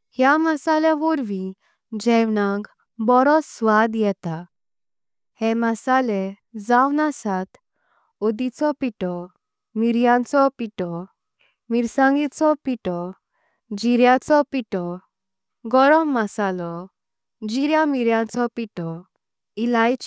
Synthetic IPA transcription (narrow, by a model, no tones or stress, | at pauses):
hjaməsalɛʋuɾʋĩ | d͡ʑɛʋnãk | bɔɾɔt͡sːʋad̪jɛt̪a | hɛmasalɛ | d͡zawnasat̪ | od̪it͡sɔpiʈɔ | miɾjãnt͡sɔpiʈɔ | miɾsãŋɡit̪t͡sɔpiʈɔ | d͡ʑiɾjat͡sɔpiʈɔ | ɡɔɾɔmːasalɔ | d͡ʑiɾjamiɾjãt͡sɔpiʈɔ | ilajt͡ɕ